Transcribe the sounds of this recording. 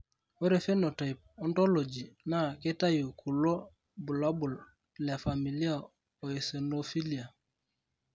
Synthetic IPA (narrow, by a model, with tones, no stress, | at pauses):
we˦ɾe˨fe˦no˨ta˨jp̚ɔ˦ntɔ˦lo˨d͡ʒi˨na˦ke˦ta˦ju˨kʰu˨lo˦ | bu˨la˦bu˨l | lɛ˨fa˨mi˨li˦a˦˨ | o˨e˨se˨no˦fi˦li˨a˨